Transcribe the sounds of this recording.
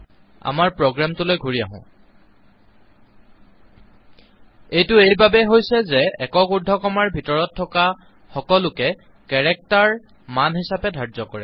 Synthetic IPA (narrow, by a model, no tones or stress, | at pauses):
a̰maɹpɹoɡɹamtʊlojɡʱuɹija̰ɦʊ̰̃ | ejtʊejbabɛɦojsɛzɛɛkɔkudʱːɔkɔmaɹbʱitɔɹɔtʰːɔka | xɔkɔlʊkɛ | kɛɹɛk̚taɹ | manɦisapɛdʱaɹzɔkɔɹɛ̰